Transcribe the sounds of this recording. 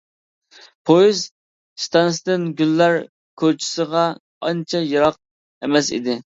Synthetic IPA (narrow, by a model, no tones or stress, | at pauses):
pʰojiz | st̪ʰɑnsd̪ɪnɡʲylːæɾ | kʲʰoɾt͡ʃʰɪ̥səʁɑ | ɑnt͡ʃʰɛjɑɾɑq̚ | emɛsḭd̪ɪ